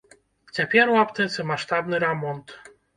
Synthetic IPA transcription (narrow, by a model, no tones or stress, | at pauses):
t͡ɕʲapʲjɛɾwapt̪ɛt̪sɛmaʂt̪abnɨɾamɔnt̪